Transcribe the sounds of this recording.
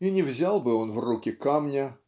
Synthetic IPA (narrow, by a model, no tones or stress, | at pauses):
inʲɪvzʲalˠbɨo̞nvrukʲɪkamnʲə